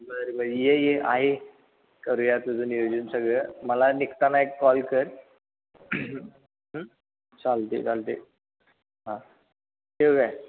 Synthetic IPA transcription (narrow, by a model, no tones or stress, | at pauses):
bəɾibəjejeʔa̰ɦe | kəɾujat̪ud͡zunijod͡ʑənsəɡɭəməlanikt̪anaekːɔlkəɾ | ɦ | t͡salt̪ḭt͡salt̪ḭ | ɦã | eəɡaj